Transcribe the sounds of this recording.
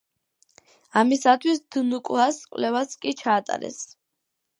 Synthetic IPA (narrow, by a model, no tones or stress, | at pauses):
amisat̪ʰwisd̪̥nukʼuaskʼwlɛvaskʼit͡ʃʰaːt̪ʼa̰ɾɛ̰s